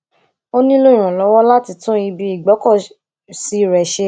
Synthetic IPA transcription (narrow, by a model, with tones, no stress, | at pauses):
o˦nĩ˦lo˦˨ɾ̃ũ˨lɔ˨˧˦wɔ˦la˦ti˧tũ˦i˧bi˧i˦˨ɡ͡bɔ˨˦kɔ˦˨ | si˨˦˨ɾɛ˨ʃe˧